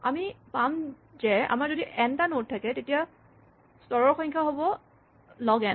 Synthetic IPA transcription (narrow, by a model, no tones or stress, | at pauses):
amipam | zɛa̰mazodiʔɛntanot̚tʰːakɛtetija | stɔɹɔɹxɔ̃jŋkʰaɦobɔ | lɔɡɛn